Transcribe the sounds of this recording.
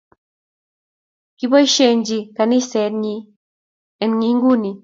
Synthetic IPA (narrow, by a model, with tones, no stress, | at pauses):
ki˦bɔ˦ʃe˨ɲd͡ʒi˧ka˨ni˦sɛ˨˦d̚ɲi˦ | ɛ˨nŋi˨˦ŋɡu˦ni˨